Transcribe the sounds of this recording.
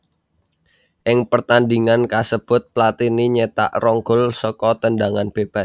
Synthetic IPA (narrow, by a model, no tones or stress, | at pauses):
ʔɪŋpərt̪andiŋankasəb̥ʊ̤t̪̚plat̪iniɲet̪a̰ʔrɔŋɡʊlsɔkɔt̪əndaŋanb̥eb̥as